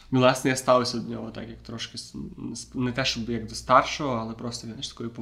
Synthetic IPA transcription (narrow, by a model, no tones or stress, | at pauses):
ilˠɑsʲnɛjast̪ɑʋʊsʲɐd̪nʲɔɦɔt̪a̰kjɐkt̪ɾɔʃkʲɪsspnɛt̪ɛʃɔbjɐɡd̪ɔst̪ɑrʃɔɦɔalˠɛpɾɔst̪ɔznaɪʃt̪ɐ̥kɔjʊpɔ